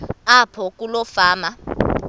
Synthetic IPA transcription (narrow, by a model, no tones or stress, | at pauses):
apʰɔk̬ʼulɔfaːma